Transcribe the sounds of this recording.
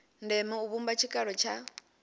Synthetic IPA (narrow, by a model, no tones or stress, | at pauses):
ndɛmɛuβumbat͡ʃʰikʼaɺɔt͡ʃʰa